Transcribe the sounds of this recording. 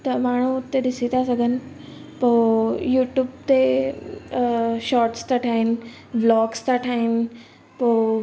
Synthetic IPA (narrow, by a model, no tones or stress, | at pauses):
t̪əmaɽ̃ũt̪ed̪isit̪asəɡən | pojuːʈjuːbt̪e | ɕɔɾʈst̪aʈʰain | blɔːɡst̪aʈʰain | po